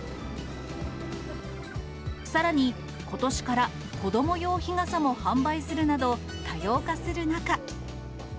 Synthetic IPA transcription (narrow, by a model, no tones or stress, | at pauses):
saɾaɲ̟i | ko̞t̪o̞ɕi̥kaɾa | ko̞d̪o̞mo̞jo̞ːçiŋasamo̞hãmbaisɨɾɯ̟nad̪o̞ | t̪ajo̞ːkasɨɾɯ̟naka